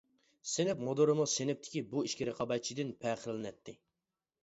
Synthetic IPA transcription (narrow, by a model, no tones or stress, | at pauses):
senɪpmod̪oɾɨmusenɪp̚t̪ʰɪ̥kʲibuiʃkʲiɾɪqʰɑbɑjt͡ʃʰid̪ɪnpʰɛqʰəɾlɪnɛt̪ʰːɪ